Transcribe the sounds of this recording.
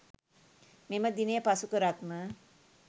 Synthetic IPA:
meməd̪inejəpasukəɾat̪mə

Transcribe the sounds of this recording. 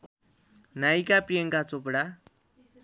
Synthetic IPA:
najkapieŋkat͡sopɽa

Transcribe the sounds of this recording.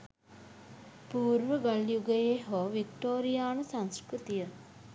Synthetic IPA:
puːɾʋəɡaljuɡəjeɦoʋikʈoːɾijaːnusansɾkɾit̪ijə

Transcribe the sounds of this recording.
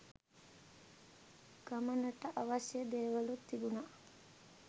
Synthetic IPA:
ɡ̥amɐnɐʈɐʔaʋasjəd̪eːʋɐlut̪ːid̪unaʔ

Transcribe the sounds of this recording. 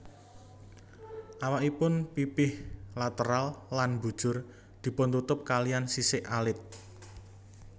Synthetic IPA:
ʔawaʔipʊnpipɪhlat̪əɾalːanbṳd̥ʒ̥ʊ̤r | d̪̥i̤pʊnt̪ut̪ʊp̚kalijansisɪʔalɪt̪̚

